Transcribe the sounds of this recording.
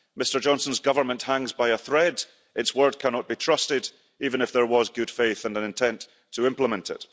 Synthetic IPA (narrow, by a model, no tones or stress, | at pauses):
mɪstə˞d͡ʒɔ̃nsə̃n̩zɡʌvə˞mə̃nʔhãŋzbaɪəθɹɛd | ʔɪtswɜ˞d̚kʰanɔʔ̚b̥itʰɹ̥ʌstɪd | ivə̃nɨfðə˞wɔzɡʉd̥feθə̃nə̃nɪ̃ntʰɛ̃ntʰ | əɪ̃mplˠəmɛ̃ntʰɪ̰ʔ